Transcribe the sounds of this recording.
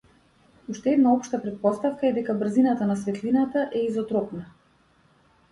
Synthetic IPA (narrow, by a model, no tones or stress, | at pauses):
uʃt̪ɛɛd̪naɔpʃt̪apɾɛt̪̚pɔst̪afkaɛd̪ɛkabr̩zinat̪anasvɛt̪linat̪aʔɛizɔt̪ɾɔpna